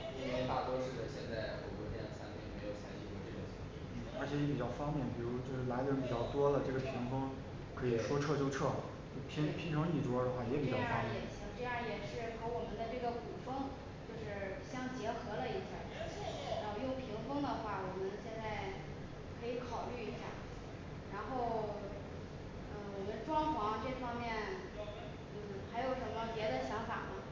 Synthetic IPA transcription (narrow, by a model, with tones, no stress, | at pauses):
pa˥˩t̪wɔ˥ʂɻ̩˥˩d̪ə˩ɕjɛ˥˧nt͡sa˥˩ɪxo˧˥ɪkwɔ˥˩t̪t͡sʰa˥n˥˩me˧˥ɪjo˨˩ʊɕjɑ˧˥ŋɕi˥˧kwɔ˥˧ʈ͡ʂɤ˥˩ɡə˩ɕʰɛ˧˥ŋ̰˥˩n̩˥˩ə˞˧˥t͡ɕʰjɛ˧˥jɛ˧˥pi˨˩t͡ɕjɑ˥˩ʊfɑ˥ŋpjɛ˥˩npi˨˩ɻu˧˥ɔ˥t͡ɕjo˥˧ʊʂɻ̩˥˩la˧˥ɪd̪ə˧ɻpi˨˩t͡ɕjɑ˥˩ʊt̪wɔ˥lə˨ʈ͡ʂɤ˥˩ɡə˩pʰi˧˥ŋfɤ˥ŋ | kʰɤ˧˥i˨˩ʂwɔ˥ʈ͡ʂʰɤ˥˧t͡ɕjo˥˧ʊʈ͡ʂʰɤ˥˩ | t͡ɕo˥˩pʰi˧˥ŋpʰi˧˥ŋʈ͡ʂʰɤ˧˥ŋi˥˩ʈ͡ʂwɔ˥d̪ə˩xwa˥˩jɛ˧˥pi˨˩t͡ɕjɑ˧˥˧ʊfɑ˥jɛ˥˨ɛ˨˩t͡ɕʰi˧˥ŋʈ͡ʂɤ˥˧jɑ˥˩jɛ˨˩ʂɻ̩˥˩xʰə˧˥wɔ˨˩mə˦nd̪ə˧ʈ͡ʂɤ˥˩ɡə˩ku˨˩fɤ˥ŋ | t͡ɕjo˥˧ʊʂɻ̩˥˩ɕjɑ˥˩ŋt͡ɕjɛ˧˥xɤ˧˥lə˧i˧˥ɕja̰˥˩˥ɻa˧˥o˥˧jʊ˥˩ŋpʰi˧˥ŋfɤ˥ŋd̪ə˨xwa˥˩wɔ˨˩mə˦nɕjɛ˥˧nt͡sa˥˩ɪ | kʰɤ˧˥i˧˥kʰɑ˨˩ʊly˥˩i˧˥ɕja̰˥˩ | ɻa˧˥nxo˥˩ʊ | n̩˥˩wɔ˨˩mə˦nʈ͡ʂwɑ˥ŋxwɑ˧˥ŋʈ͡ʂɤ˥˩fɑ˥ŋmjɛ˥˩n | n̩˥˩xa˧˥ɪjo˧˩ʊʂə˧˥mə˧pjɛ˧˥d̪ə˧ɕjɑ˧˥ŋfa̰˨˩nə˦